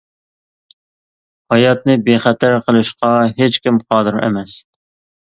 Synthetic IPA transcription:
hɑjɑt̪nɨbeχɛt̪ʰæɾqʰəlˠɨʃqɑɦet͡ʃkʲimqʰɑːd̪ɨɾḛmɛs

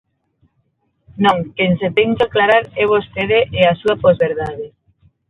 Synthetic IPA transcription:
nõŋkeŋset̪eŋkaklaɾaɾɛβ̞ost̪eðeʔeasuapozβeɾðaðe

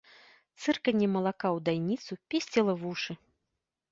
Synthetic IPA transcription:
t̪sɨrkɐnʲːɛmɐlˠakawd̪ajnʲit̪supʲesʲt͡sʲɛlˠɐvuʂɨ

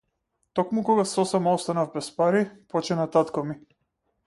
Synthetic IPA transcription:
t̪ɔkmukɔɡasɔsɛmaɔst̪anavbɛspaɾipɔt͡ʃɛnat̪at̪kɔmi

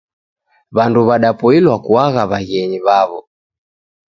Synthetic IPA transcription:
βanduβaɗapɔilwakuaɣaβaɣɛɲiβaβɔ

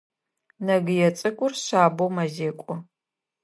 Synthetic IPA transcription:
nɐɡɨjɛt͡sʼɨkʷʼʊrɕaːbowmɐzeːkʷʼʊ

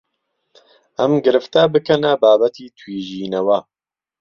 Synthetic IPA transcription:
ʔɐmɡɨɾɨft̪ɐbɨkʰɐnɐbaːbɐt̪ʰiːt̪ʰwiːʒiːnɐwɐ

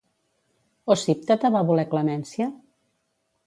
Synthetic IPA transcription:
osip̚t̪at̪aβaβulɛklamɛnsja

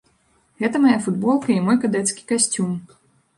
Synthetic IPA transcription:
ɣɛt̪ɐmajafud̪bɔlˠkɐimɔjkad̪ɛt̪skʲi̥kasʲt͡sʲum

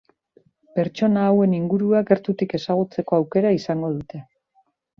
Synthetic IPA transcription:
pe̞ɾt͡ʃo̞naːwe̞niŋɡuɾuaɡe̞ɾt̪ut̪ike̞saɣ̞ut͡se̞ko̞awke̞ɾaisaŋɡo̞ð̞ut̪e̞

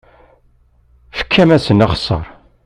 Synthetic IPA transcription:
fə̥kʰːæmæsənɑχsˤə̰ɾˤ

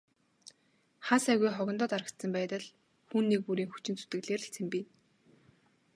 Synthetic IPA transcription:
χasæɣujχɔɣʲɞ̆nt̪ɔːt̪aɾə̆kt̪sə̆mpæːt̪ə̆ɮ | xuːnːek̚puɾiːŋxu̥t͡ɕɪ̆nt͡su̥t̪ɘ̆ɣɮeːr̆ɬt͡sʰĕmpiːn

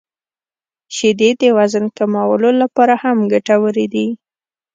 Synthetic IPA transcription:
ʃid̪ed̪əwazənkamawəlolapɑɾahamɡaʈawəɾed̪i

